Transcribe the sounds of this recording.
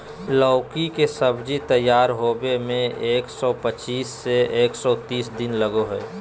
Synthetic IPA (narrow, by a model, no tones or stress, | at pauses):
lɔʊkikesəbd͡ʒit̪əjːaːɾɦoːbemẽeːksɔpət͡ʃiːsːeeːksɔt̪iːsd̪ɪnləɡoɦɛː